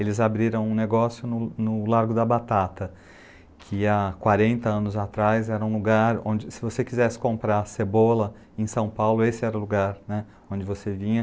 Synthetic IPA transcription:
elɪzabɾiɾɐ̃w̃ũneɡɔsjʊnʊnʊlaɾɡʊd̪ɐbat̪at̪ɐ | kʰɪakwaɾẽnt̪ɐɐ̃nʊzat̪ɾajzɛɾɐũluɡaɾõ̰nd͡ʒɪsɪvosekizɛsɪ̥kõmpɾasebolɐ | ẽsɐ̃w̃pawlʊesɪɛɾɐʊluɡaɾnɛ | õd͡ʒɪvosevĩɲɐ

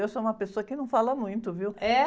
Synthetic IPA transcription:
ewsoũmɐpesoɐkɪnɐ̃w̃falɐmũj̃t̪ʊviwɛ

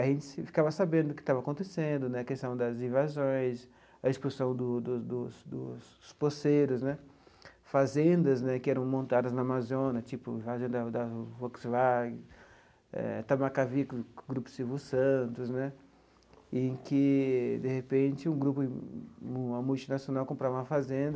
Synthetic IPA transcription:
aʒẽnt͡ʃɪ̥sfi̥kavɐsabẽd̪ʊkɪ̥t̪avɐakõnt̪esẽnd̪ʊnɛɐkest̪ɐ̃w̃d̪ɐzĩvazõj̃s | ɐespusɐ̃w̃d̪ʊd̪ʊd̪ʊsd̪ʊs | ʊsposejɾʊsnɛ | fazẽnd̪ɐznɛkɪɛɾɐ̃w̃mõnt̪ad̪ɐznɐːmazõnɐt͡ʃipʊĩvazẽnd̪ɐd̪ɐvɔksvaɡɪ | ɛ̰t̪amakavikɡɾupʊ̥sivusɐ̃t̪ʊsnɛ | kɪd̪ehepẽt͡ʃɪũɡɾupʊ̃ | ũɐmuwt͡ʃinasijonawkõmpɾavɐũɐfazẽnd̪ɐ

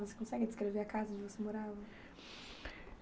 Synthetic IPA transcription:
vose̥kõsɛɡɪd͡ʒɪskɾeveɾakazɐ̃d͡ʒɪvosemoɾavɐ

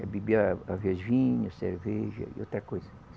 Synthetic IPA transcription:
ɐbibʲɐaviɐʒĩɲʊseɾvɛʒɐ̰ḭot̪ɾɐkojzɐ

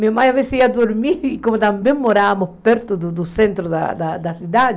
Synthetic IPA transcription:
miomajavesiiad̪uɾmiɾkomʊt̪ambɛ̃ŋmːoɾamʊpɛɾt̪ʊd̪ʊd̪ʊsent̪ɾʊd̪a̰d̪a̰d̪asid̪ad̪ɪ

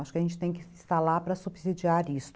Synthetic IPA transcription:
aʃʊkɪɐʒẽnt͡ʃɪ̥t̪ẽj̃kɪsɪst̪aɾlapɾɐsubzid͡ʒiaɾis

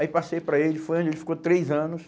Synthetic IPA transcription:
aipasejpɾɐelɪfojɐ̃d͡ʒelɪfi̥kot̪ɾejzɐ̃nʊs

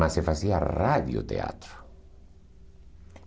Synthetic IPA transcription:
asefasiaraðjo̰t̪ḛa̰t̪ɾo̥

